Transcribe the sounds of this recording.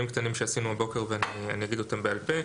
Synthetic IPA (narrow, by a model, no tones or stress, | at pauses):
imkt̪animʃeasinuabo̞ke̞ʁveania̰nijaɡid̪o̞t̪ambealpe̞